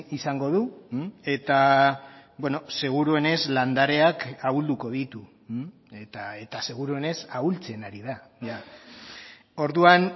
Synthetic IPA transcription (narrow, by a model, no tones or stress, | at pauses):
isaŋɡo̞ðue̞t̪a | bwe̞no̞se̞ɣ̞uɾue̞ne̞zland̪aɾe̞akaβuld̪uko̞ð̞it̪u | et̪aet̪ase̞ɣ̞uɾue̞ne̞sault͡se̞naɾiðaja | o̞ɾðuan